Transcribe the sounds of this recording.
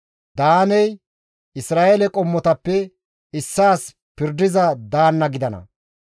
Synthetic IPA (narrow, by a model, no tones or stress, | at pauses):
d̪aːnɛj | ɪsɾaːʔɛlɛkʼɔmːɔt̪ɐpːɛ | ɪsːaːs | pɪɾd̪ɪzɐd̪aːnːɐɡɪd̪ɐnɐ̰